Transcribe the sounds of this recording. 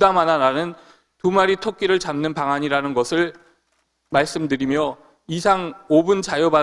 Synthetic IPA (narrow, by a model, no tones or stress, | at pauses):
damanaɾanɯn | tumaɾitʰok͈̚iɾɯɭt͡ɕamnɯnpaŋɦaɲiɾanɯnɡʌsʰɯɭ | maɭs͈ɯmdɯɾimjʌ | isʰaŋobɯnt͡ɕajoba